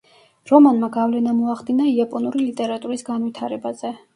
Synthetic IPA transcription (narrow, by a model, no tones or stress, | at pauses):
ɾɔmanmaɡavlɛnamɔaχd̪inaiapʼɔnuɾilit̪ʼɛɾat̪ʼuɾisɡanvwit̪ʰaɾɛbazɛ